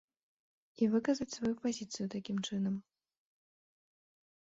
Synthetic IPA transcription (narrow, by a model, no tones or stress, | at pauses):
ivɨkɐzɐt͡sʲsvajupazʲit̪sɨjut̪akʲimt͡ʂɨnɐm